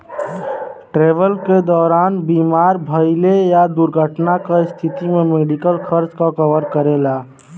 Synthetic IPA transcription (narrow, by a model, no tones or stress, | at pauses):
ʈɾeʋəlked̪ɔːɾanbimaɾbʱəɪlejad̪uɾɡʱəʈnakast̪ʰit̪imemeɖikəlkʰəɾt͡ʃkakəʋəɾkəɾela